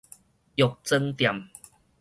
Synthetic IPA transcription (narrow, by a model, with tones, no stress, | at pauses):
jo˨˩k̚t͡sə˧ŋt̪ja˨˩m